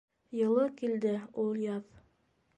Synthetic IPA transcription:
jɤ̆lˠɤkild̪ɘulˠjɑð

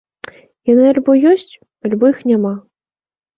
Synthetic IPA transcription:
janɨalʲbɔjɔsʲt͡sʲ | alʲbɔjixnʲama

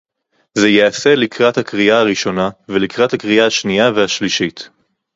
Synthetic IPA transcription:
zejeaselikʁathakʁiaːʁiʃo̞navelikʁathakʁiaːʃniaveaʃliʃit

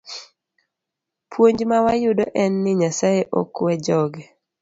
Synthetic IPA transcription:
pwoɲd͡ʒmawajʊdɔʔɛnːɪɲasajeʔɔkwɛd͡ʒɔɡɛ

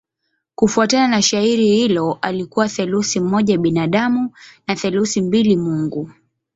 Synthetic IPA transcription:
kufuatananaʃaiɾihilɔʔalikuwaθɛlusim̩ɔʄaɓinaɗamunaθɛlusimbilimuŋɡu

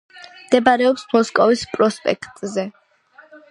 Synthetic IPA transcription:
md̪ɛbaɾɛɔpsmɔskʼɔvispʼɾɔspʼɛ̰kʰt̪ʼzɛ

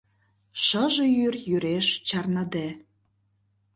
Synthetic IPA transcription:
ʃəʒejyrjyɾeʃt͡ɕɑrnəd̪e

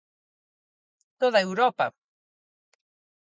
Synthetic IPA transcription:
t̪oðaewɾopa̰

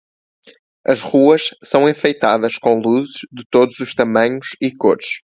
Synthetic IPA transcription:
ɐʒʁuɐʃsɐ̃w̃ẽfejt̪aðɐʃkõlˠuzɨʒðɨt̪oðuzuʃt̪ɐmɐ̃ɲuʃikoɾʃ

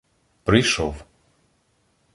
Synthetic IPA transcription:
pɾɪjʃɔw

